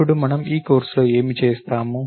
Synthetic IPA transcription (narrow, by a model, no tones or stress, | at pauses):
uɽumɐnɐmiːkoːɾsɐːe̞ːmit͡ʃeːst̪aːmu